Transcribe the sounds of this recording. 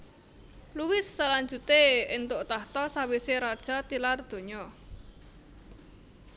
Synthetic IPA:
luwɪsːalaɲd͡ʒut̪eɪnt̪ʊʔt̪aht̪ɔsawiseɾad̥ʒ̥a̤t̪ilard̪̥o̤ɲɔ

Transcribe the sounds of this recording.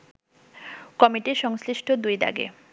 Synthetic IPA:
kɔmiʈiʃɔŋsliʃʈʰod̪ujd̪a̰ɡḛ

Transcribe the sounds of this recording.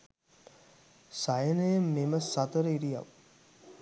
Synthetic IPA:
sajənəjəmːeməsɐt̪əɾəiɾija̰ʋ

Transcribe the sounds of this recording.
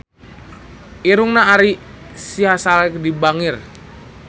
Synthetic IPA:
iɾuŋnaːɾi | siɦasalɛk̚dibaŋir

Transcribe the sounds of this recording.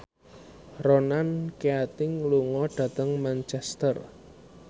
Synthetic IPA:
ronankeat̪ɪŋluŋɔɖ̪̥ä̤t̪əŋmant͡ʃɛst̪ər

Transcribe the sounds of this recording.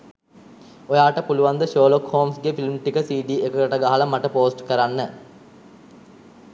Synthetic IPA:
ojaːʈəpuluʋand̪əʃoːlokhoːmsɡefilmʈikəsiːɖiːekəkəʈəɡaɦaləmaʈəpoːsʈkəɾanːə

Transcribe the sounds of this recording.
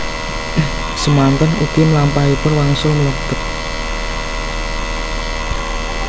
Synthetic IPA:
səmant̪ənuɡ̪̥iməlampaipʊnwaŋsʊmələb̪̥ət̪̚

